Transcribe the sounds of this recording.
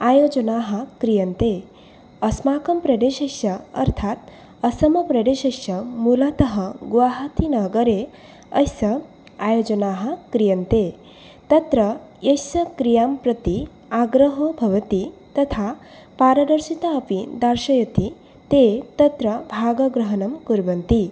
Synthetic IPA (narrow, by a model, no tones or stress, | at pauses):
aːjod͡ʒɐnaːɦɐ̆kɾijɐnt̪e | ɐsmaːkɐmpɾɐd̪eːʃɐʃɐɐ̰ɾt̪ʰat̪̚ | ɐsɐmɐpɾɐɖ̪eːʃɐʃjɐmulat̪ɐɦɐɡʋaːɦɐt̪inɐɡɐɾe | ɐjsɐ | aːjoːd͡ʒɐnaːɦɐ̆kɾijɐnt̪e | t̪ɐt̪ɾɐ | jɐjsɐkɾijaːmpɾɐt̪i | aɡɾɐɦobʱɐʋɐt̪it̪ɐt̪ʰa | paːɾɐd̪ɐɾʃit̪aɐpid̪aɾʃɐjɐt̪i | t̪et̪ɐt̪ɾɐbʱaːɡɐɡɾɐɦɐnɐmkuɾbɐnt̪i